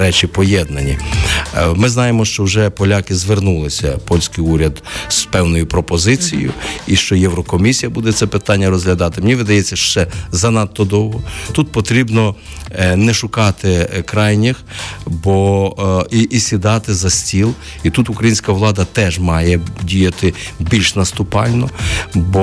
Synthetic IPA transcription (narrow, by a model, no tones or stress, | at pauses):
ɾɛt͡ʃʲipɔjɛd̪nɐnʲi | mɪznɑjemɔʃt͡ʃɔwʒɛpɔlʲɑkɪzʋernulˠɪsʲɐ̰pɔlʲsʲkɪjuɾʲɐd̪z̥pɛwnɔjʊpɾɔpɔzɪt͡sʲijʊ̰iʃt͡ʃɔjɛwɾɔkɔmʲisʲijɐbud̪ɛt̪sɛpɪt̪ɑnʲːɐɾɔzɦlʲɐd̪ɑt̪ɪmnʲiʋɪd̪ɐjɛt͡sʲːɐʃt͡ʃɛzɐnɑt̪ːɔd̪ɔwɦɔt̪ut̪̚pɔt̪ɾʲibnɔ | nɛʃʊkɑt̪ɪkɾɑjnʲixbɔ | iʔːsʲid̪ɑt̪ɪzɐsʲtʲilˠ | it̪ut̪ʊkɾɐjinʲsʲkɐʋlˠɑd̪ɐt̪ɛʒmɑjɛdʲijɐt̪ɪbʲilʲʃnɐst̪ʊpɑlʲnɔbɔ